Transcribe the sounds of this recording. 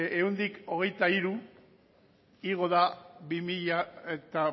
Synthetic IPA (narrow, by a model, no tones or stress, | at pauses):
eund̪iko̞ɣ̞e̞jt̪aiɾu | iɣ̞o̞ðaβimiʎaet̪a